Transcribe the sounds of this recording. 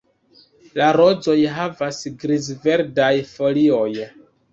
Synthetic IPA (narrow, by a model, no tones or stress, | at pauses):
laɾo̞d͡zo̞jɦavasɡɾizve̞ɾdajfo̞lio̞j